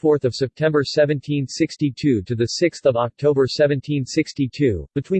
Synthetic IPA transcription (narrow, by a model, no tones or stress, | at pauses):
fɔɹθʌv̥sɛp̚tʰɛ̃mbə˞sɛvɨ̃ntʰĩnsɪkstitʰʉɾɨðɨsɪksθʌvɑk̚tʰoʊbə˞sɛvɨ̃ntʰĩnsɪkstitʰʉb̥ɨtʰw̥ĩ